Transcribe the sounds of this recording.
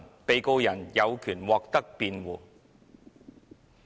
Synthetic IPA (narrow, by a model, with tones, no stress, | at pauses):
npe˨jko˧wjɐ˨˩njɐ˨˧wkʰyː˨˩nwɔː˨˧k̚t̪ɐ˥k̚piː˧nwuː˨˩